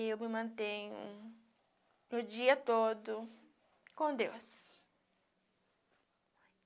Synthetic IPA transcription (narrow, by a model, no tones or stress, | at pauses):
ewmɪmɐ̃nt̪ẽɲʊ̰ | nʊd͡ʒiɐt̪od̪ʊ | kõd̪ews